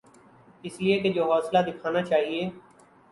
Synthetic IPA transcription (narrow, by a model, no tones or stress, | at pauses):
ɪslieːked͡ʒoːɦɔːslad̪ɪkʰaːnaːt͡ʃaːɦieː